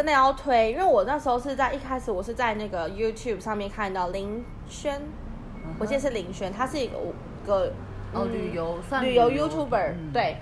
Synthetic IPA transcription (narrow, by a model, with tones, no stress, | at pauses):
ə˧ne˥˩jɑ˥˩ʊt̪ʰwe˧˥ɪi˥˧nwe˥˩ɪwɔ˨˩na˥˩ʂɻ̩˧˥xo˥˧ʊʂ̬ɻ̩˥˧t͡sa˥˧ɪʔi˥˩kʰa˥ɪʂɻ̩˩˦wɔ˨˩ʂɻ̩˥˧t͡sa˥˧ɪna˥˩ɡə˩ju˥t̪ʰju˥˩bʂɑ˥˧ŋmjɛ˥˧nkʰa˥˧nt̪ɑ˥˩ʊli˧˥ŋ | ɕɥə˥n | wɔ˨˩t͡ɕi˥˧ʂɻ̩˥˩li˧˥ŋɕɥə˧˥nt̪ʰa˥ʂɻ̩˥˩i˧˥ɡə̰˨˩˧ɡə˧˩˧ | y˨˩jo˧˥ʊ˧ny˨˩jo˧˥ʊju˥t̪ʰju˥˩bə˨˩˦t̪we˥˩ɪ